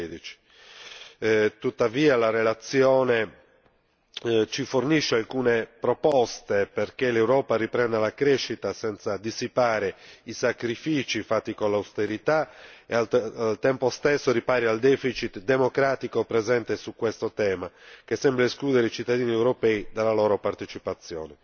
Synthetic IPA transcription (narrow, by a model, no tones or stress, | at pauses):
d̪it͡ʃi̥ | t̪ut̪ːaviːalarelat̪sːjɔːne | t͡ʃiforniʃːealkuːnepɾɔpɔst̪eperkelewɾɔːparipɾɛnd̪alakɾeʃːit̪asɛnt̪sad̪isipaːɾeisakɾifiːt͡ʃifat̪ːikolːawst̪eɾit̪aealalt̪ɛmpost̪esːoɾipaːɾiald̪ɛːfit͡ʃit̪d̪emokɾaːt̪ikopɾɛzɛnt̪esukːwest̪ot̪ɛːmak̟esːɛmbɾaeskluːd̪ɛɾeit͡ʃit̪ːad̪iːniewɾopɛːid̪alːalɔːɾopaɾt̪et͡ʃipat̪sːjɔ̰ːnɛ